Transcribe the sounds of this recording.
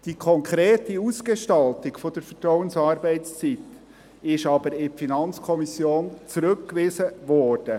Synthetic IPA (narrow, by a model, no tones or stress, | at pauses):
d̥ikʰɔŋkʰɾeːtiusɡ̥eʃtɑltɪɡ̥fɔd̥əɾfətɾɔwənsɑːɾbɛɪtst͡sit̪ | ɪʃɑbəɾɪfinɑnt͡skʰɔmisjoːnt͡sɾɵkːʋɪːsəʋɔːɾd̥ə